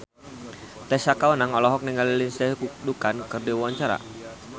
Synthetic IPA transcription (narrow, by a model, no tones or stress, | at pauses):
t̪ɛsakawənaŋɔlɔɦɔk̚niŋɡalilinsɛhkudukankɨrdiwwaɲt͡ʃaɾa̰